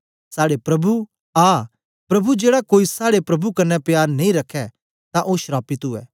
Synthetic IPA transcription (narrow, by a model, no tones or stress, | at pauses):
saːɽepɾɐbu | aː | pɾɐbud͡ʒeːɽakoːisaːɽepɾɐbʱukɐnɛpjaːɾnɐ̃ĩɾɐkʰːɛ | t̪ãʔoːʃɾaːpɪt̪uɛ̰ː